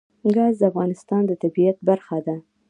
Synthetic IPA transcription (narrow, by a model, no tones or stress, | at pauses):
ɡɑzd̪əafɣɑnɪst̪ɑnd̪ət̪abijat̪̚baɾxad̪a